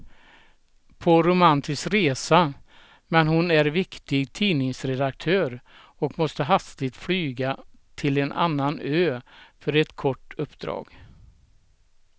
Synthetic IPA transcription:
pʰɔɾʊmant̪ʰɪskɾeːsa | mɛnhʊnæɾvɪkt̪ɪɡt̪ʰiːnɪŋsɾɛd̪ak̚t̪ʰøːɾ | ɔkmɔst̪əɦast̪ɪt̪flyːɡat̪ʰɪlɛnʔa̰nːanøːfœɾɛt̪kʰɔʈːɵpːd̪ɾɑ̰ːɡ

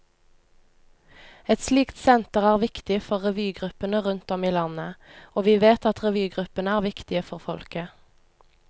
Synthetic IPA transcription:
ɛt̪sliːkt̪sɛnt̪əʁæːʁʋɪkt̪ɪfɔʁʁɛʋyːɡʁʉpənəʁʉnt̪ɔmiːlɑnəoːʋiːʋeːt̪ɑt̪ʁɛʋyːɡʁʉpənəæːʁʋɪkt̪ɪəfɔʁfɔlkə

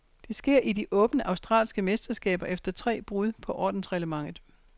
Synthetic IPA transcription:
d̥e̝sɡ̥e̝ɐ̰ʔidiʔɔ̽ːb̥nəʔɑ̈ʊsd̥ʁɑ̰̈ːlsɡ̥əmesd̥ɐsɡ̥ɛ̰ːb̥ɐʔefd̥ɐt͡sʰʁɛ̰ːb̥ʁuð̞ˠpʰɒ̽ʔɒ̰ːd̥n̩sʁɛləmɑ̈ŋ̰ð̩ˠ

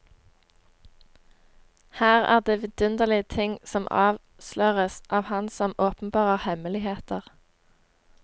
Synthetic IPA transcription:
hæːʁæ̰ːʁd̪eːʋɪd̪̥ʉnd̪əʁlɪət̪ʰɪŋsɔmʔɑ̰ːʋ | slœːʁəsʔɑːʋhɑnsɔmoːpn̩bɑːʁəʁhɛməlɪheːt̪əʁ

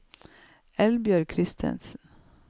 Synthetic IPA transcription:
ɛlbjœːɾkʰɾɪst̪ʰɛ̰nsn

